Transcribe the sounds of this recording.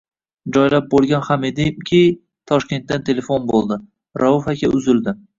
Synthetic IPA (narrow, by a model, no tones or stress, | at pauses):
d͡ʒɒjlap̚bolˠɡʲanhamed̪ɪmkʲʰɪ | t̪ʰɒʃkʲe̞nt̪ːant̪ʰe̞le̞fonbolˠd̪ɪ | ɾʔaʊfakʲʰaʊzɪld̪ɪ